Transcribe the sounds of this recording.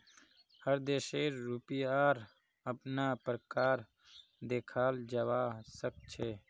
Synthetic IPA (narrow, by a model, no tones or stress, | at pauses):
həɾd̪eːʃeːɾuːpiaːɾ | ɐpnaːpɾəkaːɾ | d̪eːkʰaːld͡ʒɐwaːsək̚t͡ʃʰeː